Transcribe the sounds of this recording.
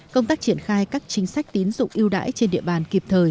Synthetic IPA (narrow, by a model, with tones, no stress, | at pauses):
kə˧wŋ͡mt̪aː˦˥k̚t͡ɕi˧˩ənxaː˧jkaː˦˥k̚t͡ɕï˨˦ŋ̟sa˦˥jk̟̚t̪i˨˦nzʊ̰˧˨ŋ͡mʔi˧əwɗa̰ː˧˥jt͡ɕe˧nɗḭ˧˨əɓaː˨˩nki˨˩p̚t̪ʰəː˨˩j